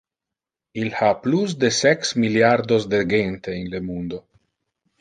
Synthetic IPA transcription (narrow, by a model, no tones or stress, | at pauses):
ilhaplusd̪esɛksmiljaɾd̪osd̪eɡent̪einlemund̪o